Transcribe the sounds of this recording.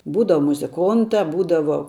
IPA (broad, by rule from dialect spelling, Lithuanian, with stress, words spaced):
ˈbuːdɐʋɐ mʊzʲɪˈkoːntɐ ˈbuːdɐʋoː